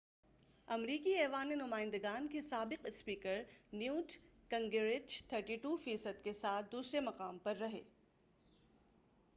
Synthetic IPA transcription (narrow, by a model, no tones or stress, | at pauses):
ɐmɾiːkiɛːʋaːnenʊmaːɪ̃nd̪əɡaːnkesaːbɪqɪspiːkəɾnjuːʈkɐ̃ŋɡeɾɪt͡ʃt̪ʰəɾʈiːʈuːfiːsəd̪kesaːt̪̚ʰd̪uːsɾemɐqaːmpɐɾːɐɦḛː